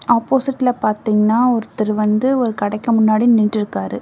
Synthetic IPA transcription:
aːpːoːsɪʈːɪlɐpaːɾt̪iːŋɡɐnːaːɔɾɯt̪ːɐɾɯʋɐnd̪ɯɔɾɯkɐɽɐkːɐmʊnːaːɽiniːʈːɪɾɯkːaːɾɯ

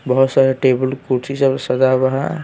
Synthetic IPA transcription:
bɐɦut̪saɾeʈeːbəlkuɾsisəbsɐd̪abɐɦã̰

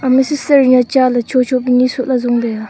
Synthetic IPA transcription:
məsəsərɲət͡ɕalat͡ɕʰot͡ɕʰopiɲisʰoʔlazoŋpe

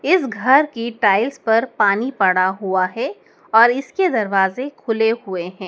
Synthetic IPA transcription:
ɪsɡʱɐɾkiʈaːɪlspɐɾpaːnipɐɽaɦuaɦɛ | ɔːɾɪsked̪ɐɾʋaːzekʰʊlehʊeɦɛ̃ː

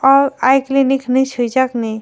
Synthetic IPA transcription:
ɔɾajkliniknisʰujd͡ʒakni

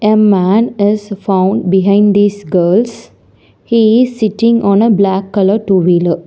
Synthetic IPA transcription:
emæːnɪzfãʊ̃ɳɖbiɦãɪ̃ɳɖd̪iːsɡəːls | hiːɪzsiʈĩŋɔ̃ːnəblækːʌləʈuːʋilə

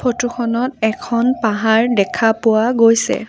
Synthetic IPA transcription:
pʰotuxʰɔnɔtɛkʰɔnpaɦaɹdɛkʰapʊwaɡojsɛ̰

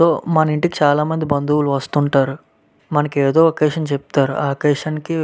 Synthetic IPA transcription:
oːmɐnɐiɳʈikit͡ʃaːlaːmɐnd̪ibɐnd̪uwuluʋɐst̪uɳʈaːɾu | mɐnɐkeːd̪o̞ːɐkeːʂɐnt͡ʃep̚t̪aːɾṵʔa̰ːɐkeːʂɐnki

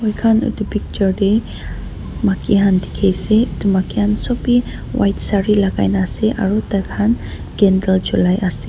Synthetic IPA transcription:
ɔjkʰanṵt̪upik̚t͡ʃəɹɖe | makiɦand̪ikʰejseut̪umakiansɔpi | wa̰jt̪saɹilaɡa̰jnaseʔa̰ɾut̪akʰan | ɡ̥ɛndəld͡ʒulajasi

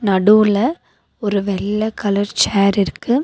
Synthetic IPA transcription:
nɐɽuːlɐ | ɔɾɯʋɛlːɐkɐlɐɾt͡ʃaːɾɪɾɯkːɯ

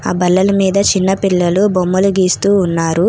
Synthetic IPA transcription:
aːbɐlːɐlɐmiːd̪ɐt͡ʃinːɐpilːɐlubomːɐluɡiːst̪uːnːaːɾu

